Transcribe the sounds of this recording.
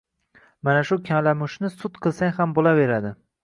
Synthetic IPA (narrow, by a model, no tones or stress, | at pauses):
manaʃʊkʲʰalamʊʃnɪsʊt̪qʰɨlˠsaŋʲhambolave̞ɾad̪ɪ